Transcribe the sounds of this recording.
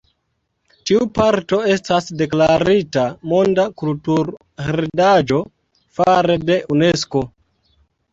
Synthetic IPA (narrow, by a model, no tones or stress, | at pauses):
tiupaɾto̞e̞stasde̞klaɾitamo̞ndakultuɾ | heɾdad͡ʒo̞ | faɾede̞ʔune̞sko̞